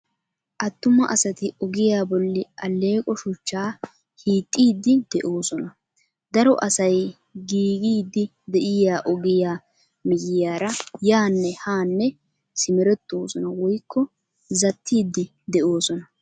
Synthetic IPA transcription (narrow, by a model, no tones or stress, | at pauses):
ʔɐt̪ːʊmɐʔɐsɐt̪ɪɔɡɪjaːbɔlːɪʔɐlːe̞ːkʼɔʃʊt͡ʃːaː | hiːt̪ʼːiːd̪ːɪd̪ɛʔo̞ːsɔnɐ | d̪ɐɾɔʔɐsɐj | ɡiːɡiːd̪ːɪ | d̪ɛʔɪjaːʔɔɡɪjaː | mɪjɪjaːɾɐjaːnːɛhaːnːɛ | sɪmɛɾɛt̪ːo̞ːsɔnɐwɔjkːɔ | zɐt̪ʰːiːd̪ːɪ | d̪ɛʔoːsɔnɐ